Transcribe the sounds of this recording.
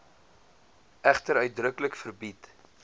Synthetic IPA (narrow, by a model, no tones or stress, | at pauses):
ʔæχtəɾœɥt̚drəkləkfərbit